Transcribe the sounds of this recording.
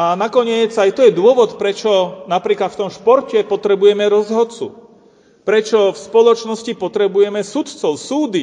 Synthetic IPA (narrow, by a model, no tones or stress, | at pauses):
anakɔɲɪɛd͡zajt̪ɔjɛd̪ʊɔʋɔt̪pɾɛt͡ʃɔnapɾiːklat̪ft̪ɔmʃpɔɾcɛpɔt̪ɾɛbujɛmɛɾɔzɦɔt̪t͡sṵ | pɾɛt͡ʃɔfspɔlɔt͡ʃnɔscipɔt̪ɾɛbujɛmɛsut̪t͡sɔʊsuːd̪i